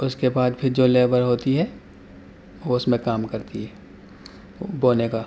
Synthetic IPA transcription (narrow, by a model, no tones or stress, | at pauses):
ʊskebaːd̪pʰɪɾd͡ʒoːleːbəɾɦoːt̪iɦɛː | ʋoʊsmẽkaːmkɐɾt̪iɦɛː | boːnekaː